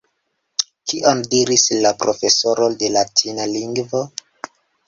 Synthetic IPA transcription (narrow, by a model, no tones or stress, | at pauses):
kiʔo̞ndiɾislapɾo̞fe̞so̞ɾolde̞latʰinaliŋɡvo̞